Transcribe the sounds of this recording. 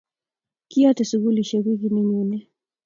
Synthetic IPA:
kiatɛsuɣuliʃɛɣiɣiniɲinɛ

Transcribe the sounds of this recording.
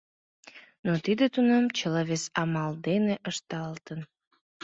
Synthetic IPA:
not̪id̪et̪unɑmt͡ɕəlɑβesɑmɑld̪eneʔəʃt̪ɑlt̪ən

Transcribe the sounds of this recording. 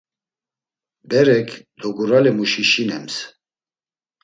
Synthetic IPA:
bɛɾɛkʰd̪ɔɡuɾalɛmuʃiʃinɛms

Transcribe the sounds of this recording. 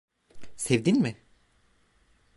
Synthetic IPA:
sevd̪inmɪ

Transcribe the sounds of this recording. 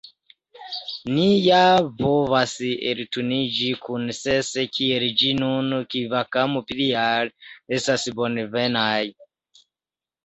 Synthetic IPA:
nijavɔvasiʔḛɾitunid͡ʒikʰunisɛsɛkʰiɛɾid͡ʒinunukivakamupiɾiaɺiɛsasibɔnɛvɛnaji

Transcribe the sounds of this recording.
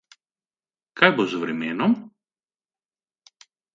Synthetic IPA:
kajbozvɾɛmɛnɔm

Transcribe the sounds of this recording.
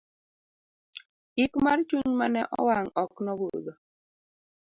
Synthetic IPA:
ikmart͡ʃuɲmanɛʔɔ̰waŋɔknɔwod̪o

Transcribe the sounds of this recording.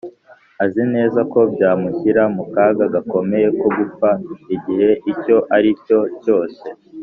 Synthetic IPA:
azine̞ːzako̞bjaːmuçiɾamukaːɡaɡako̞me̞je̞ko̞ɡup͡faiɟihe̞ʔico̞ʔaɾico̞co̞ːse̞

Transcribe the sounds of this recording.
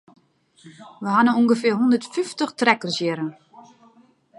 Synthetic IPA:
ʋəɦanəuŋɡəfɪɦundərtfyftəxtrɛkərsjɪɾən

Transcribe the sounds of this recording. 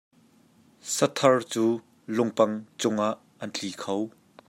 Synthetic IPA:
sɐt̪ʰɐrt͡suː | lʊŋpɐŋt͡sʊŋʔaʔːɐnt͡ɬiːkʰow

